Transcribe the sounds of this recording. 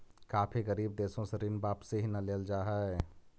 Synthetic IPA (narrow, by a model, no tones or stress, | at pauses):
kaːpʰiɣəɾiːb̚d̪eːsõseɾinbaːpseɦinɐleːld͡ʒaːɦɛ